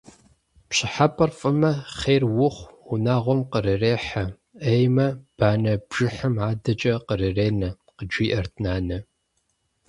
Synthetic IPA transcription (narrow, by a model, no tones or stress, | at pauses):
pɕɪħapʼɐrfʼɨmɐχeːrwʊχʷunaːʁʷɔmqəɾɨreːħɐ | ejmɐb̥aːnɐbʒ̥ɨħɐmʕaːdɐt͡ʃʼɐqərɨreːnɐ | qəd͡ʒʷiːʔɐrtʰnaːnɐ